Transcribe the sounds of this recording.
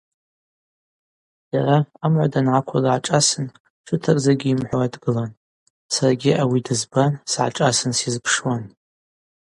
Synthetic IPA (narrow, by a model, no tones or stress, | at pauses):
d̥araːmʕʷa̰danʕakʷʰalʕaʈ͡ʂʼasɨn | ʈ͡ʂʰɨtʰakʼzaɡʲiːmħʷoadɡɨlan | saraɡʲiawidɨzbansʕa̰ʈ͡ʂʼasɨnsizpʰʂwan